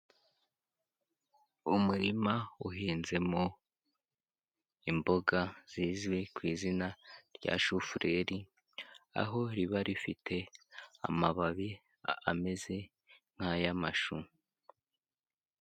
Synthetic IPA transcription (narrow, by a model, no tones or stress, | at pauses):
umuɾimauɦiːnze̞mo | imbo̞ɡaz̥iːzwikwiːzinaɾɟa̰ʃufuɾʔe̞ɾi | a̰ɦo̞ɾiβaɾifitʰe̞a̰maβaβi | ame̞ze̞ | ŋ̥hajamaʃu